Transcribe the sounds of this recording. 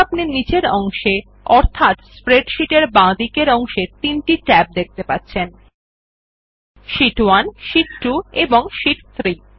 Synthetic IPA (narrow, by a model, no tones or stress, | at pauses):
apninid͡ʑeɾɔŋʃe | ɔɾt̪ʰat̪spɾeɖʃiʈeɾbãd̪ikeɾɔŋʃet̪inʈiʈɛp̚d̪ek̚t̪epatːɕʰen | ʃiʈwanʃiʈʈueboŋʃiʈt̪ʰɾi